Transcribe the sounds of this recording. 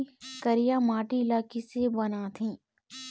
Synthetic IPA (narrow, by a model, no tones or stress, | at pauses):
kəɾijamaːʈiɪlaːkisebɐnaːt̪ʰĩː